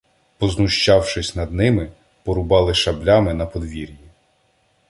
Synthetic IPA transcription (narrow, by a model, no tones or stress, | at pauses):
pɔznʊʃt͡ʃɑwʃɪsʲn̪ɐd̪nɪmɪ | pɔɾʊbɑlˠɪʃɐblʲɑmɪnɐpɔd̪ʋʲiɾʲji